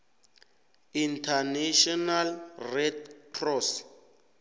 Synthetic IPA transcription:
intʰanɛʃɔnalrɛtkʰrɔs

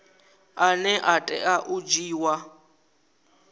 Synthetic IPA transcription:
anɛʔatʼɛaʔud͡ʒiːwa

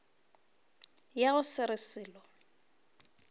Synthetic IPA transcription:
jaɣʊsɪɾɪsɪːlɔ

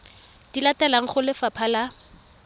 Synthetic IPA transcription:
d̥ilatɛlaŋ̩χʊlɪfapʰala

